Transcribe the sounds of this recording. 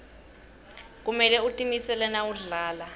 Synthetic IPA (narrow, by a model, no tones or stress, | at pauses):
k̬umɛlɛutʼimisɛlɛnauɮaːla